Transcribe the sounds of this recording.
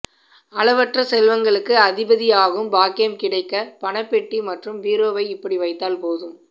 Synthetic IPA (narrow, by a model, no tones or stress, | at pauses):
ɐɭɐʋɐʈrɐsɛlʋɐŋɡɐɭɯkːɯɐðɪbɐðɪjaːɣɯmbaːkɪjɐmkɪɽɐɪkːɐpɐɳɐpːɛʈːimɐʈrɯmʋiːɾoːʋɐɪɪpːɐɽiʋɐɪt̪ːaːlpoːðɯm